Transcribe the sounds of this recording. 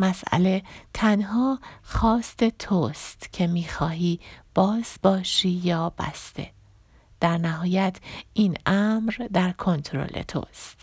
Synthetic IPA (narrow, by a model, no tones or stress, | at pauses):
mæsʔæ̰le̞t̪ʰænɦɒːxɒːst̪e̞t̪ʰost̪cʰe̞miːxɒːɦiːb̥ɒːzbɒːʃiːjɒːbæ̰st̪e̞̰ | d̪̥æɾnæɦɒːjæt̪ʰʔiːnæmɾd̪æɾkʰo̞nt̪ʰɾo̰lʔḛt̪ʰo̰ːst̪